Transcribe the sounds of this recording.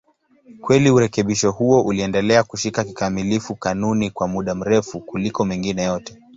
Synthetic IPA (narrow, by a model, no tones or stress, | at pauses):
kwɛliuɾɛkɛɓiʃɔhuɔʔuliɛndɛlɛakuʃikaki̥kamilifukanunikwamuɗam̩ɾɛfukulikɔmɛŋɡinɛjɔtɛ̥